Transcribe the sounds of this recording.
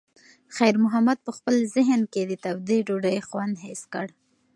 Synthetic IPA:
xajɾmʊɦamad̪̚pəxpəlzɪɦnked̪ət̪awd̪iɖoɖəjxwand̪ɦeskəɽ

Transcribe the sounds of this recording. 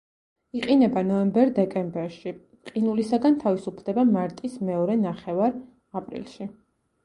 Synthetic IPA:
iqʼinɛbanɔɛmbɛɾd̪ɛkʼɛmbɛɾʃi | qʼinulisaɡant̪ʰavisupʰd̪ɛbamaɾt̪ʼismɛɔɾɛnaχɛvaɾ | apʼɾḭlˠʃi

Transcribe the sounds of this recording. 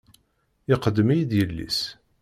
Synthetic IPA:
ɪqəd̪ːəmijiðjəlːḭs

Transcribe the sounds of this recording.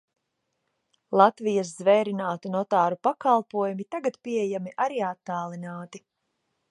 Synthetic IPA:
lˠat̪vijas̬zvɛjɾinaːt̪unɔt̪aːɾupakalˠpuɔjumit̪aɡat̪piɛjamiʔaɾiːat̪ːaːlˠinaːt̪i

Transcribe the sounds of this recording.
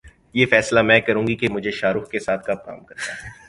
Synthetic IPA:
jeːfɛːslamɛ̃ːkɐɾũːŋɡikemʊd͡ʒʱeʃaːɾuːxkesaːt̪̚ʰkap̚ka̰ːmkɐɾt̪aɦɦɛ

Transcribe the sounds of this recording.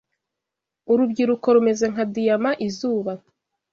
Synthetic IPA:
uɾubɟiɾuko̞ɾume̞ze̞ŋ̥adijamaʔizuːβa

